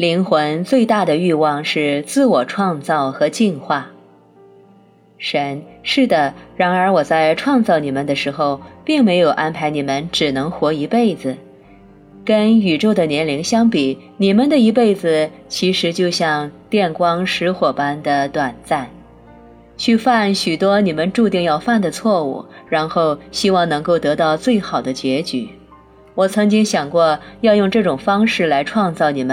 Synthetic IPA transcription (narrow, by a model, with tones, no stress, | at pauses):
li˧˥ŋxwə˧˥nt͡swe˥˧ɪt̪a˥˩d̪ə˩y˥˧wɑ˥˧ŋʂɻ̩˥˧t͡sɹ̩˥˩wɔ˨˩ʈ͡ʂʰwɑ˥˧ŋt͡sɑ˥˩ʊxɤ˧˥t͡ɕi˥˧nxwa˥˩ | ʂə˧˥nʂɻ̩˥˩d̪ə˩ɻa˧˥nə˞˧˥wɔ˨˩t͡sa˥˧ɪʈ͡ʂʰwɑ˥˧ŋt͡sɑ˥˩ʊni˨˩mə˦nd̪ə˧ʂɻ̩˧˥xo˧ʊpi˥˩ŋme˧˥ɪjo˨˩ʊʔa˥npʰa˧˥ɪni˨˩mə˧˦nʈ͡ʂɻ̩˨˩nɤ˧˥ŋxwɔ˧˥i˧˥pe˥˩ɪd͡zɹ̩˩ | kə˥ny˨˩ʈ͡ʂo˥˩ʊd̪ə˩njɛ˧˥nli˧˥ŋɕjɑ˥ŋpi˨˩˦ni˨˩mə˧˦nd̪ə˨i˧˥p̬e˥˩ɪd͡zɹ̩˨˩ | t͡ɕʰi˧˥ʂɻ̩˧˥t͡ɕjo˥˧ʊɕjɑ˥˧ŋt̪jɛ˥˩nkwɑ˥ŋʂɻ̩˧˥xwɔ˨˩pa˥nd̪ə˨t̪wa˨˩nt͡sa˥˩n | t͡ɕʰy˥˧fa˥˩nɕy˨˩t̪wɔ˥ni˨˩mə˦nʈ͡ʂu˥˧t̪i˥˧ŋjɑ˥˧ʊfa˥˩nd̪ə˩t͡sʰwɔ˥˧ṵ˥˩ɻa˧˥nxo˥˩ʊɕi˥wɑ˥˩ŋnɤ˧˥ŋko˥˩ʊt̪ɤ˧˥t̪ɑ˥˧ʊt͡swe˥˩ɪxɑ˨˩ʊd̪ə˦t͡ɕɥjɛ˧˥t͡ɕy˨˩˦ | wɔ˨˩t͡sʰɤ˧˥ŋt͡ɕi˥ŋɕjɑ˨˩ŋkwɔ˥˧jɑ˥˧ʊjʊ˥˧ŋʈ͡ʂɤ˥˩ʈ͡ʂʊ˨˩ŋfɑ˥ŋʂɻ̩˥˩la˧˥ɪʈ͡ʂʰwɑ˥˧ŋt͡sɑ˥˩ʊni˨˩mə˦n